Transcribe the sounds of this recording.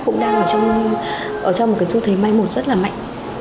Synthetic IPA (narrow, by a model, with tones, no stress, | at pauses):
kʊ̰˧˥ŋ͡mɗaː˧ŋʔəː˧˩t͡ɕɔ˧wŋ͡m | ʔəː˧˩t͡ɕɔ˧ŋ͡mo˨˩ka˨˦jzu˧t̪ʰe˨˦ma˧jmo˨˩t̚z̥ə˦˥t̚laː˨˩ma̰˧˨jŋ̟